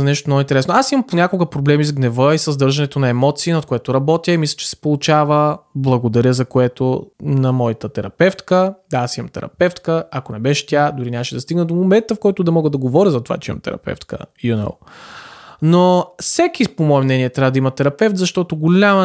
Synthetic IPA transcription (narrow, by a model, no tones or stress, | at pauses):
ɐnɛʃt̪omnoɡint̪ɛɾɛsnoasimɐmponʲakolˠɡəpɾoblɛmizɡnɛvəisɐzd̪ɤɾʒɐnɛt̪onɐɛmɔt̪siːnɐt̪̚koɛt̪oɾɐbɔt̪ʲjəimislʲɐ̥t͡ʃɛ̥sɛ̥polˠʊt͡ʃavəblˠɐɡod̪ɐɾʲjəzɐkoɛt̪onɐmɔjət̪ət̪ɛɾɐpɛft̪kəd̪aasimɐmt̪ɛɾɐ̰pɛft̪kəɐkonɛbɛʃɛ̥t̪ʲad̪ʊɾinʲaməʃɛd̪ɐst̪iɡnəd̪omomɛnt̪əfkɔjt̪ʊd̪ɐmɔɡəd̪ɐɡovɔɾʲəzɐt̪ova̰t͡ʃɛimɐ̰mt̪ɛ̰ɾɐ̰pɛ̰ft̪kə̰juno̰w | nofsɛkipomɔɛmnɛniɛt̪ɾʲavɐd̪ɐimɐt̪ɛɾɐpɛft̪zɐʃt̪ɔt̪oɡolʲamə